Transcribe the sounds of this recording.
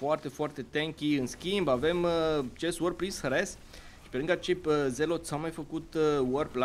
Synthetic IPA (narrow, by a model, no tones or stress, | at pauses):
oart̪e̞foart̪e̞t̪eŋkʲiɨnskʲimbave̞mət͡ʃesworpɾinsxɾes | ʃi̥peɾɨŋɡat͡ʃejpze̞lo̞t̪sawmajfəkut̪wərpla